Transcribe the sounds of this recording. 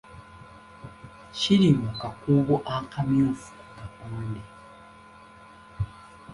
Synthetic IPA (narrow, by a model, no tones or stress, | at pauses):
ʃiɾimakakuβuʔakamjuːfu̥ukakuːnde